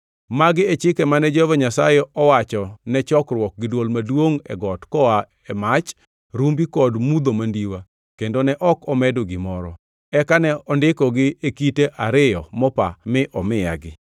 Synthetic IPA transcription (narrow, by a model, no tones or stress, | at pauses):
maɡɪɛt͡ʃɪkɛmanɛd͡ʒɔvaɲasajɛɔwat͡ʃɔnɛt͡ʃɔkrwɔk̚ɡɪdwolmadwoŋɛ̰ɡɔtkɔa | ɛmat͡ʃ | ɾumbikɔdmud̪omandiwa | kendonɛʔɔkɔmɛdoɡɪmɔɾɔ | ɛkanɛɔndɪkɔɡɪekiteʔaɾɪjɔmɔpamɪʔɔmɪja̰ɡɪ